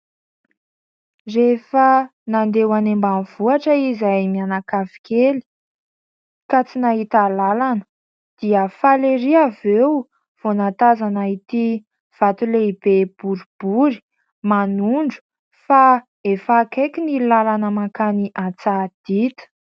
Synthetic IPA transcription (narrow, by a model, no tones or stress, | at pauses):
refənand̪ewanembanv̥uaʈ͡ʂəizajmianakavi̥keli̥ | kat͡sinaɦit̪alalanə̥ | d̪̥iəfaleɾiavew | v̥onat̪azanait̪i | v̥at̪uleib̥eb̥uɾub̥uɾi̥ | manuɳɖ͡ʐu̥ | fa | efakekʲinilalanəmakaniʔat͡sad̪̥it̪ə̥